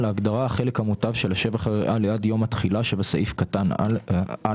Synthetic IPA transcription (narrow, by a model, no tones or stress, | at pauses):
laːɡd̪aʁaaχe̞lekhamutavʃelaʃe̞vaχaʁeʔaleadjo̞mat̪χilaʃebasaʔifkat̪an | a